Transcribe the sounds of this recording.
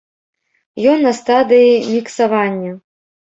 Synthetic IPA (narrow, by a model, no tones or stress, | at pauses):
jɔnːɐst̪ad̪ɨjimʲiksavanʲːɐ